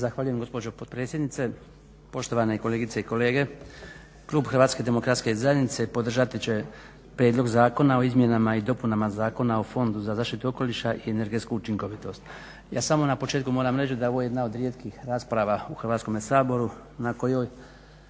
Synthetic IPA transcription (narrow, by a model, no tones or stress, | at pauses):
zaxʋaːʎuje̞mɡo̞spo̞d͡ʒo̞pot̪pɾet̪sʲje̞d̪nit̪e̞ | po̞ʃt̪o̞ʋane̞iko̞leːɡit̪seiko̞le̞ːɡe̞ | klˠuːbxr̩ʋaːt̪sked̪e̞mo̞kɾat̪ske̞zajenit̪sepo̞d̪r̩ʒat̪it͡ɕe̞ | pɾjed̪lˠo̞ɡzaːko̞nao̞izmje̞namaid̪o̞punamazaːko̞nao̞fo̞nd̪uzazaːʃt̪it̪uoko̞liʃaʔieneɾɡet̪skuːt͡ʃiŋko̞ʋit̪o̞st̪ | ja̰ːsamo̞napo̞t͡ʃeːt̪kumoːɾamɾet͡ɕd̪ao̞ʋojejed̪nao̞d̪ɾjet̪kixɾaːspɾaʋauxr̩ʋat̪ko̞mesaːbo̞ɾu | nako̞joːj